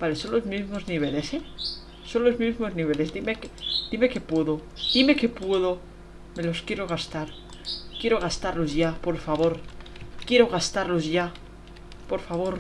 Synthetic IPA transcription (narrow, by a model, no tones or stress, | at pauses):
bale̞so̞nlozmizmo̞zniβ̞e̞le̞se | so̞nlo̞zmizmo̞zniβ̞e̞le̞zd̪ime̞ked̪̥ime̞ke̞pweðo̞ | d̪̥ime̞ke̞pwe̞ðo̞ | me̞lo̞skje̞ɾo̞ɣ̞ast̪aɾ | kje̞ɾo̞ɣ̞ast̪aɾlo̞zʝapo̞ɾfaβo̞ɾkje̞ɾo̞ɣast̪aɾlo̞zʝa | po̞ɾfaβo̞ɾ